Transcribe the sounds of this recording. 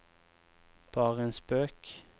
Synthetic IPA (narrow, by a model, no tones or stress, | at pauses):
b̥ɑːʁəeːnsbøːk